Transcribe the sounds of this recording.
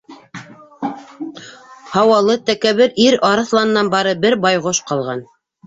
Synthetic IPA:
hɑwɑlˠɤt̪ækæβɘɾiɾɑɾɤ̆θlˠɑnɤ̆nːɑnbɑɾɤbɘɾbɑjʁoʃqɑlˠʁɑn

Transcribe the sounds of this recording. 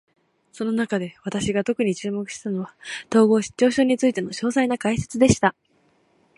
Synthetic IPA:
so̞no̞nakad̪e̞βat̪aɕiɡat̪o̞kɯ̟ɲ̟it͡ɕɨːmo̞kɯ̟ɕi̥t̪ano̞β̞at̪o̞ːɡo̞ːɕi̥t͡ɕo̞ːɕo̞ːɲ̟it͡sɨit̪e̞no̞ɕo̞ːsainakaise̞̥t͡sɨd̪e̞ɕi̥t̪a

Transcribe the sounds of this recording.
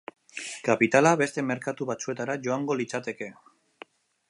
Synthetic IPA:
kapit̪alaβe̞st̪e̞me̞ɾkat̪uβat͡sue̞t̪aɾaʝo̞aŋɡo̞lit͡sat̪e̞ke̞

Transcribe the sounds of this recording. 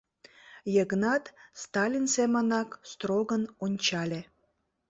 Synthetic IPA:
jəɣnɑt̪st̪ɑlʲinsemənɑkst̪roɣənonʲt͡ɕɑlʲe

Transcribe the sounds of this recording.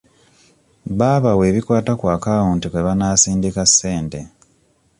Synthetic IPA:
βaːβawe̞ːβikwaːtakwaːkaːoːntikweβanaːsiːndikasːeːnte

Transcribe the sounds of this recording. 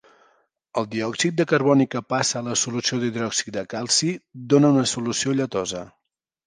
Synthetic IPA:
əlˠd̪iɔksik̪̚d̪əkəɾβɔnikəpasəːləsulusioðiðɾɔksi̥k̚d̪əkalˠsid̪onəunəsulusioʎət̪ɔzə

